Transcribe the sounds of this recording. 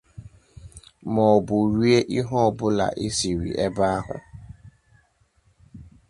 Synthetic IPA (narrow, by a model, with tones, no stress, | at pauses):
mɔ˨ɔ˨bʊ˨ɾi˦e˦ʔi˦ɦɔ˦ɔ˨bʊ˦la̰˨ʔi˦si˨ɾḭ˨ʔe˦ba˦a˦ɦʊ̰˨